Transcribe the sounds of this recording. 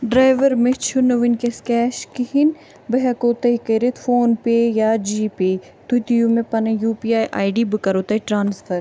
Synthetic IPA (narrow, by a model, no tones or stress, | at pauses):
ɖɾaːjʋɐɾmẽt͡ʃʰunɐʋinkeskɛːʃkihin | bɐɦɐkoːt̪ɐikɐɾet̪foːnpeːjaːd͡ʒiːpeː | t̪ut̪ijumẽpɐnɐjuːpiaːjʔaːiɖiːbɨkɐɾoːt̪ɐiʈɾaːnsfʰɐɾ